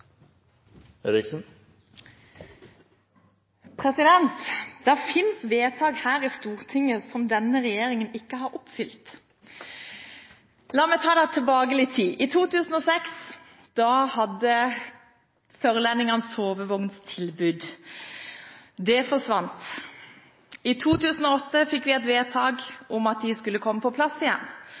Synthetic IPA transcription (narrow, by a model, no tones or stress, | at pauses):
ɛɾɪksn̩ | pʰʁɛsɪd̪ɛnt̪d̪̥æʁfɪnsʋeːt̪ʰɑːɡhæːʁist̪uːʁt̪ʰɪŋəsɔmd̪ɛnːəʁɛjeːʁɪŋənɪkːəɦɑːɾɔpfʏlt̪ | lɑːmɛt̪ʰɑːd̪ɛt̪ʰɛlbɑːɡəlɪt̪ʰiːʔiːt̪ʰuːt̪ʰʉːsn̩ɔːsɛks | d̪̥ɑːhɑd̪ːə | sœʁlɛnɪŋɑnsoːʋəʋɔŋnst̪ʰɪlbʉːd̪ | d̪ɛfɔʂʋɑnt̪ | ɪt̪ʰuːt̪ʰʉːsn̩ɔɔt̪ːəfɪkːʋɪɛt̪ʋeːt̪ʰɑːɡʊmɑt̪̚d̪ɪskʉlːəkʰɔmːəpɔpʰlɑsːɪjɛ̰nː